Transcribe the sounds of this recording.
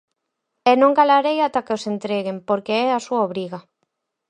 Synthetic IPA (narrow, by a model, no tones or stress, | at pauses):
ɛnõŋɡalaɾejat̪akeosent̪ɾeɣempoɾkeɛasuaoβɾiɣa